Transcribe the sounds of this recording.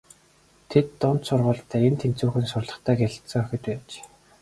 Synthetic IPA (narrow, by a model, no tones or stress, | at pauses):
t̪ʰet̪ːʊn̥t̪sʊrʁʊːɬt̪ʰæːent̪ʰent͡suːxɘ̆nsʊrɮə̆χt̪ʰæːɡeɮ̆t̪sɞ̆ŋœxʲɪ̆t̪æːt͡ɕ